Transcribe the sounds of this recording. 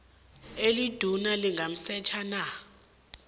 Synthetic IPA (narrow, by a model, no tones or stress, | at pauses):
elid̥ʱunaliŋɡʱam̩sɛt͡ʃʰana